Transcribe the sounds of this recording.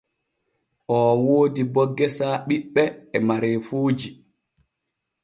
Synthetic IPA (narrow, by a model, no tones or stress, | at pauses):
ʔɔːwoːdibɔɡːɛsaːɓiɓːɛɛmaɾefuːd͡ʒi